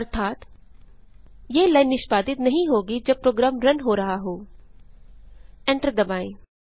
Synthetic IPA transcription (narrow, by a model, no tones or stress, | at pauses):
ɐɾt̪ʰaːt̪ | jeːlaɪnːɪʃpaːd̪ɪt̪nɐɦĩɦoːɡid͡ʒɐb̚pɾoːɡɾaːmɾɐnɦoːɾɐɦaɦoː | ɛ̃ːɳʈəɾd̪ɐbaːĩ